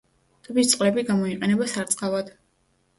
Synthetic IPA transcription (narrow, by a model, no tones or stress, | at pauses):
t̪ʼbist̪sʼqʼlɛbiɡamɔiqʼɛnɛbasaɾt̪sʼqʼavad̪̥